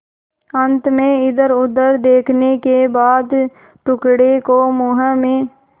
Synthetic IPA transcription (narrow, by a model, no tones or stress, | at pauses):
ə̃nt̪mẽɪd̪əɾʊd̪ːəɾd̪eːkʰnekebaːd̪ | ʈʊkɽekomʊɦə̃mẽ